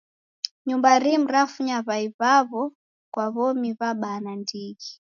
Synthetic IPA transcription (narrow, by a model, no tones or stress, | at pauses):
ɲumbaɾim̩ɾafuɲaβaiβaβɔ | kwaβɔmiβaɓanandiɡi